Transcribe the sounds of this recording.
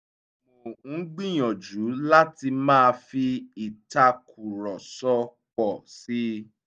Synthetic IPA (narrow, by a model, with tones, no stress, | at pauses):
mo˨ŋ̩˨˦ɡ͡bĩ˦˨j̃ɔ̃˨d͡ʒu˨˦la˦ti˧mãː˦˧fi˧i˨ta˧kʰu˨ɾɔ˨sɔ˧ | k͡pɔ˨si˦